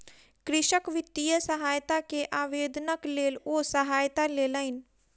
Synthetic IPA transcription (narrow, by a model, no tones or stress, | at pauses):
kɾɪʃəkʋɪt̪ːijəsəɦaːjt̪akeʔaːʋeːd̪nəkleːloːsəɦaːjt̪aleːləɪn